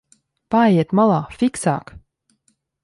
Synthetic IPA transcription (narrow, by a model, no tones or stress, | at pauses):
paɛjɛt̪mɑlˠɑːfiksɑ̰ːk